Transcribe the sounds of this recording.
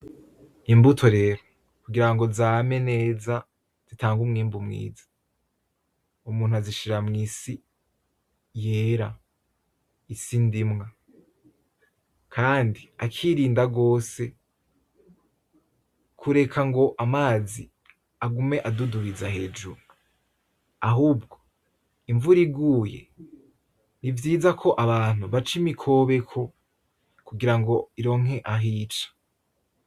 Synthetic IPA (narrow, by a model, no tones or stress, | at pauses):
nimbutʰo̞ɾe̞ɾo | kuɡiɾaŋɡo̞zaːme̞ne̞ːza | z̥itʰaːŋɡumŋiːmbumŋḭːzḁ | umuːn̥uaziʃiɾamŋisi | jeːɾa | sindimŋa | kʰaːndiakʰiɾiːndaɡo̞ːse̞ | kʰuɾe̞kʰaŋɡo̞ʔamaːzi | aɡume̞ʔaduduβizahe̞ːd͡ʒṵɾu | aɦuːb̚ɡo̞̥ | iɱvuɾiɡuːje̞̰ | nivjiːzakʰo̞ʔaβaːn̥uβat͡ʃimikʰo̞βe̞kʰo̞ | kuɡiɾaŋɡo̞iɾo̞ːŋ̥ɦe̞ʔaɦiːt͡ʃḁ